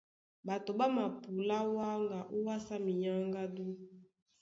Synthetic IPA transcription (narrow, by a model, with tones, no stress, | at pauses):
ba˨to˨ba˦ma˨pu˨la˦wa˦ŋɡa˨ʔu˦wa˦sa˦mi˨ja˦ŋɡa˦du˦